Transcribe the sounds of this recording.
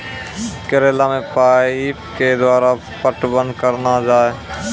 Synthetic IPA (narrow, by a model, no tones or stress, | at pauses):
kəɾeːlamẽpaːi | ked̪waːɾa | pəʈbənkəɾnad͡ʒaːe